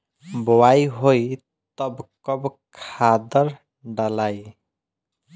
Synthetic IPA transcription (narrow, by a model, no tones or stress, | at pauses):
bɔwajɦoj | t̪ʌbkɔbkʰad̪ʌɾ | ɖalaj